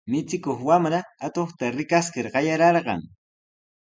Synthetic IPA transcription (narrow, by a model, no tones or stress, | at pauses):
mɪt͡sɪkoχwamɾaːt̪oχt̪aɾɪkaskɪɾɢɑjaɾɑɾɢɑ̰ŋ